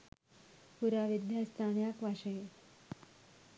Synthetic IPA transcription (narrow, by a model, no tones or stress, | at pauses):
puɾaʋid̪jast̪ʰaɳjakʋaɕəje